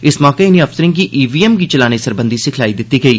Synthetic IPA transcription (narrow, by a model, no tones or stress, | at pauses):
ɪsmɔːkeɪnẽɐfsəɾɪ̃ŋk̬iʔiːʋiːɛmkit͡ʃɐlaːnisɐɾbə̃nd̪isekʰɪlaːid̪ɪt̪ːiɡɐiː